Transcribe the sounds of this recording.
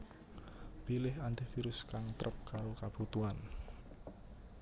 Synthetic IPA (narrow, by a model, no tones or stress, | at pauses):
pilɪɦant̪ɪfiɾʊskaŋt̪ɾʔəp̚kaɾokab̥ut̪uan